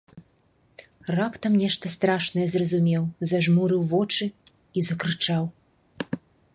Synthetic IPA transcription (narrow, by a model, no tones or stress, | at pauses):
rapt̪ɐmnʲɛʂt̪ɐst̪ɾaʂnɐjɛzrɐzumʲɛwzaʐmuɾɨwvɔt͡ʂɨ | izɐkɾɨt͡ʂaw